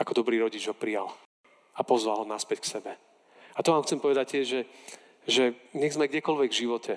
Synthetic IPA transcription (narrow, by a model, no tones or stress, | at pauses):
akɔd̪ɔbɾiːɾɔɟid͡ʒɦɔpɾija̰l | apɔzʋalˠɦɔnaspɛcksɛbɛ | at̪ɔʋaːmxt͡sɛmpɔʋɛd̪ac̚t̪ɪɛʒɛ | ʒɛɲɛɣzmɛɡɟɛkɔlʋɛɡvʒiʋɔcɛ